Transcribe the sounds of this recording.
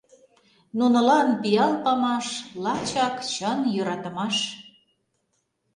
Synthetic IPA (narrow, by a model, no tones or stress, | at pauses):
nunɤ̆lɑnpijɑlpɑmɑʃlɑt͡ɕɑkt͡ɕənjøɾɑt̪ə̆mɑʃ